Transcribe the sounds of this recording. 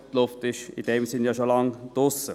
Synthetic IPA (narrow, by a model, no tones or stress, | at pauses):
tlʊftɪʃɪ̰d̥ɛːmsɪnjɑʃolɑŋd̥ʊsə